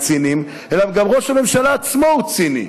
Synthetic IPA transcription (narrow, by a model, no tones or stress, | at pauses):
t͡sinim | elamɡamʁo̞ʃame̞mʃalaːt͡smout͡sinḭ